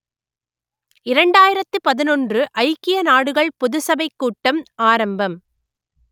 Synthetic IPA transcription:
ɪɾɐɳɖaːjɪɾɐt̪ːɯpɐðɪnɔndrɯʔɐɪkːɪjɐnaːɽɯɣɐɭpʊðɯsɐbɐɪkːuːʈːɐmaːɾɐmbɐm

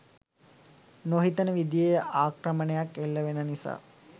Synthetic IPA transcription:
noɦit̪ənəʋid̪ijejʔaːkɾəmənəjakːelːəʋenənisa̰ː

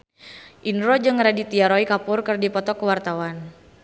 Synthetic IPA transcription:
ʔinɾɔd͡ʒɨŋɾadit̪iaɾɔikapʊrkɨrdipɔt̪ɔkəwart̪awan

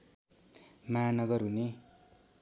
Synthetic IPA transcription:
manʌɡʌrɦune

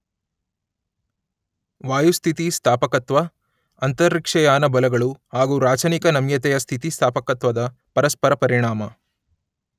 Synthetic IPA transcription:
ʋaːjust̪ʰit̪ist̪ʰaːpɐkɐt̪ʋɐ | ɐnt̪ɐɾːikʂɐjaːnɐbɐlɐɡɐɭuhaːɡuːɾaːt͡ʃɐnikɐnɐmjɐt̪ɛjɐst̪ʰit̪ist̪ʰaːpɐkɐt̪ʋɐd̪ɐ | pɐɾɐspɐɾɐpɐɾiɳaːmɐ

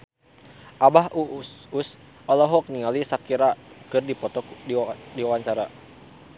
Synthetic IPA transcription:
ʔabahuus | ɔlɔɦɔk̚niŋalisakiɾakɨrdipɔt̪ɔkdidiwawaɲt͡ʃaɾa

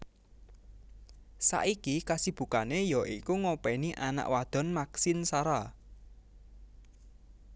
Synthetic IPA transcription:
sa̰ʔikikasib̥ṳkanejɔʔikuŋopɛniʔana̰ʔwad̪̥ɔ̤nmaksinsaɾa

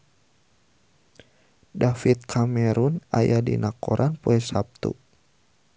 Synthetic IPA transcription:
dafit̪̚kʰamɛɾuna̰jadḭnakɔɾʔanpoɛsap̚t̪ṵ

